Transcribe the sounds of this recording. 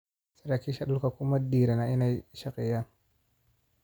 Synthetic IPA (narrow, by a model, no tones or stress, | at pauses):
siɾakiʃaɗukakumadiɾanaʔinaʃakija